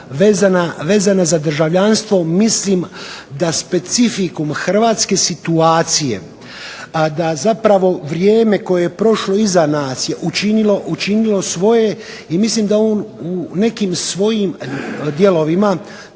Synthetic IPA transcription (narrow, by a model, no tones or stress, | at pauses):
ʋe̞ːzanaʋe̞ːzanazad̪r̩ʒaʋʎanst̪ʋo̞mislimd̪aspe̞t̪sifikumxr̩ʋaːt̪ske̞sit̪uaːt̪sije̞̰ | d̪azapɾaʋo̞ʋɾjeːme̞ko̞je̞jepɾo̞ʃlo̞izanaːsje̞ʔut͡ʃinilo̞ʔut͡ʃinilo̞sʋo̞je̞ | imislimd̪aoːnune̞kimsʋo̞jimd̪je̞lo̞ʋima